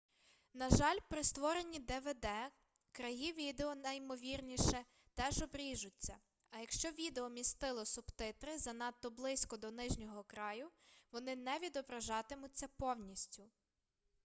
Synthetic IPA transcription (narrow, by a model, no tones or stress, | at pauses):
nɐʒɑlʲpɾɪst̪ʋɔɾenʲid̪ɛʋɛd̪ɛ | kɾɐɦiʋʲid̪eɔnɐjmɔʋʲirnʲiʃɛ | t̪ɛʒɔbɾʲiʒʊt͡sʲːɐ̰ | ɐjɐkʃt͡ʃɔʋʲid̪eɔmʲist̪ɪlˠɔsʊbt̪ɪt̪ɾɪzɐnɑt̪ːɔblˠɪsʲkɔd̪ɔnɪʒnʲɔɦɔkɾɑjʊʋɔnɪnɛʋʲid̪ɔbɾɐʒɑt̪ɪmʊt͡sʲːɐpɔwnʲisʲtʲʊ